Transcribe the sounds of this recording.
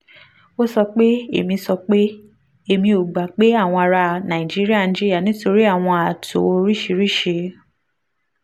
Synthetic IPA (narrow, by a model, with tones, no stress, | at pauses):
o˦sɔ˧k͡pe˦ḛ˦˨mĩ˧sɔ˧k͡pe˦ | e˦˨mĩ˧o˨ɡ͡ba˨k͡pe˨˦a˦˨w̃ɔ̃˧a˨ɾa˧˨nã˨ĩ˨d͡ʒi˦ɾi˦a˦˨ĩ˨˧d͡ʒi˦ɾi˦a˦˨nĩ˨˦to˧ɾi˦a˦˨w̃ɔ̃˧a˨to̰˨˧ɾi˦ʃe˧ɾi˦ʃe˧